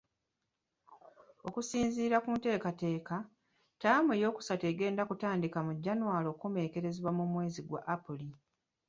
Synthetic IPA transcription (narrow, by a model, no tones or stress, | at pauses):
o̞kusiːnziːɾakuːnte̞ːkate̞ːka | taːmejo̞ːku̥sateːɡe̞ːndakutaːndikamuɟːanwaːlo̞ːkome̞ːke̞ɾe̞ziβwamumwe̞ːziɡwa̰ʔapuli